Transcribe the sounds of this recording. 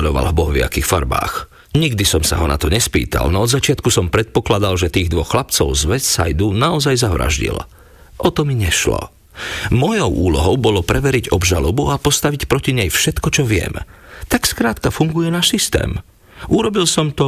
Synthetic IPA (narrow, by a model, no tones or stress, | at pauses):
lɔʋa̰lɦbɔɦʋɪa̰kiːxfa̰ɾba̰ːx | ɲiɡd̪isɔmsa̰ɦɔna̰t̪ɔɲɛspḭːt̪a̰lnɔɔd̪zat͡ʃɪat̪kusɔmpɾɛt̪̚pɔklad̪alʒɛt̪iːɣd̪ʋɔxxlapt͡sɔʊzʋɛssa̰jd̪uːnaɔzajzaʋɾa̰ʒɟḭl | ʔɔt̪ɔmiɲɛʃlɔ̰ | mɔjɔʊʔuːlɔɦɔʊbɔlɔpɾɛʋɛɾiɟɔbʒalɔbuapɔst̪aʋicpɾɔciɲɛjfʃɛt̪kɔt͡ʃɔʋɪɛ̰mt̪akskɾaːt̪kafuŋɡujɛnaːʃsist̪ɛ̰ːm | uɾɔbilsɔmt̪ɔ